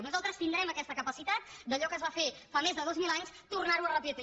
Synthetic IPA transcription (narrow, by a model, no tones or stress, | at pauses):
nuzalˠt̪ɾəst̪ind̪ɾɛməkɛst̪əkəpəsit̪at̪̚d̪əʎɔkəzβafefamezðəðozmilˠaɲst̪urnaɾuərəpit̪